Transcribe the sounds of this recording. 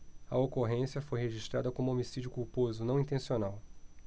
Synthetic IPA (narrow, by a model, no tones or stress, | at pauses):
ɐokoɦẽsiɐfojɦeʒiʃt̪ɾad̪ɐkõmʊomisid͡ʒʊkuwpozʊnɐ̃w̃ĩnt̪ẽsionaw